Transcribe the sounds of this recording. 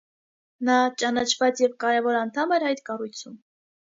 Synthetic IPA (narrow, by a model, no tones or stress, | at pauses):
nɑt͡ʃɑnɑt͡ʃʰvɑt͡sjɛvkɑɾɛvɔɾɑnt̪ʰɑmɛɾɑjt̪kɑrujt͡sʰum